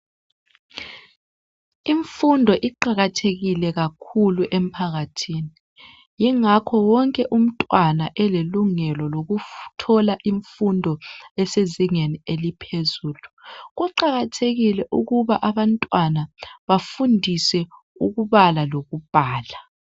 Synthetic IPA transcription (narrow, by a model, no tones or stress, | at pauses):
iɱfundʱɔʔiǃaɣatʰeɣilɛɣakʰuluʔem̩pʰaɣatʰiːni | jiŋakʰɔwɔŋkʼɛʔum̩tʼwanaʔɛleluŋɛlɔloɣutʰɔlaʔiɱfundʱɔɛseziŋenielipʰezuːluɣuǃaɣatʰeɣilɛʔuɣuβaʔaβantʼwanaβafundʱisɛ | uɣuβalaloɣub̥ʱaːla